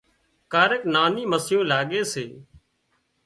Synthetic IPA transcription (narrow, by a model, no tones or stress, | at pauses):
kaːɾəknaːniːməsɪjõːlaːɠeːseː